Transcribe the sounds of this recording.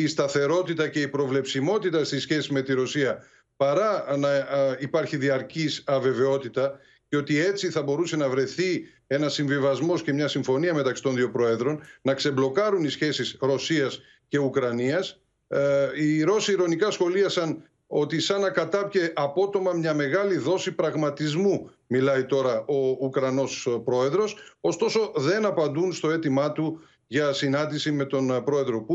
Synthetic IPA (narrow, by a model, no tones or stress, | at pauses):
ist̪ɐθe̞ɾo̞t̪it̪ɐce̞ipɾo̞vle̞psimo̞t̪it̪ɐst̪isçe̞sizme̞t̪iɾo̞siɐ | pɐɾɐnɐipɐɾçiðiɐɾcisɐve̞ve̞o̞t̪it̪ɐ | ceo̞t̪iet͡siθɐbo̞ɾuse̞nɐvɾe̞θi | e̞nɐsːiɱvivɐzmo̞sce̞mɲɐsiɱfo̞niɐme̞t̪ɐksi̥t̪o̞nðio̞pɾo̞e̞ðɾo̞nnɐkse̞blo̞kɐɾunisçe̞sisɾo̞siɐs | ce̞ukɾɐniɐs | iɾo̞siːɾo̞nikɐsxo̞liɐsɐn | o̞t̪isɐnɐkɐt̪ɐpçe̞ʔɐpo̞t̪o̞mɐmɲɐme̞ɣɐliðo̞sipɾɐɣmɐt̪izmu | milɐit̪o̞ɾɐʔo̞ukɾɐno̞spɾo̞e̞ðɾo̞so̞st̪o̞so̞ðe̞nɐpɐnd̪unst̪o̞e̞t̪imɐt̪u | ʝɐsinɐnd̪isime̞t̪o̞npɾo̞e̞ðɾo̞pu